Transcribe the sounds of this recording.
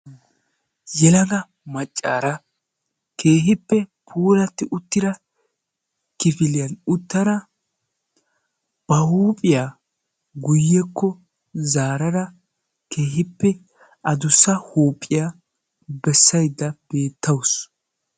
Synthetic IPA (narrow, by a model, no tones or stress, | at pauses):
jɛlɐɡɐ | mɐt͡ʃʼːa̰ːɾɐ | kʰe̞ːɦɪpːɛpʰuːɾɐt̪ːɪʔʊt̪ːɪd̪ɐ | kɪfɪlɪjɐnʊt̪ːɐɾɐ | b̥ɐhuːpʼɪjaː | ɡʊjːɛkːɔ | zaːɾɐɾɐ | kʰe̞ːhɪpːɛ | ʔɐd̪ʊsːɐhuːpʼːɪja | bɛsːɐjd̪ːɐb̥e̞ːt̪ʰːɐws